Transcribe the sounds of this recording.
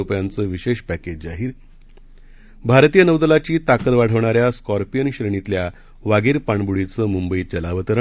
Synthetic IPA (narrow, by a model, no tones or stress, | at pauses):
upjant͡səːʋiɕeɕpæked͡ʑd͡zaɦiːɾ | bʱaɾt̪ijənəwd̪əlat͡ɕiːt̪akət̪ʋaɽ̤əʋɳ̃aɾjaskɔɾpijənɕɾəɳ̃it̪lja | ʋaɡiɾpaɳbuɽit͡səːmumbəiːt͡ɕəlaʋət̪əɾə